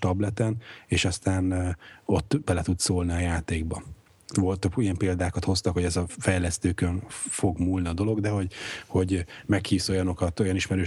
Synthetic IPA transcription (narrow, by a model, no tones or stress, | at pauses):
t̪ɒblɛt̪ɛneːʃɒst̪aːno̞t̪ːbɛlɛt̪ut̪soːlniɒjaːt̪eːɡ̚bɒ | volt̪ijɛmpeːld̪aːkɒt̪ho̞st̪ɒkho̞ɟɛzɒfɛjlɛst̪øːkøɱfo̞ɡmulniɒd̪o̞lo̞ɡd̪ɛɦo̞ɟho̞ɟmɛkhiːso̞jɒno̞kɒt̪o̞jɒniʃmɛɾøː